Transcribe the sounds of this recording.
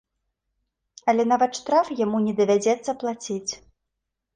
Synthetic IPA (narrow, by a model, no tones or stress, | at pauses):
ɐlʲɛnavɐt̪ʂt̪ɾafjamunʲɛd̪ɐvʲad͡zʲɛt̪sːɐplˠat͡sʲit͡sʲ